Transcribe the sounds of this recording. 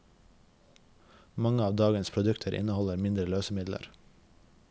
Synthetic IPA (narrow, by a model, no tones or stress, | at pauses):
mɑŋəɑːʋd̪ɑːɡənspʰɾʊd̪ʉkt̪ʰəɾʔɪ̰nəhɔləɾmɪnd̪ɾəløːsəmɪd̪lə̰ɾ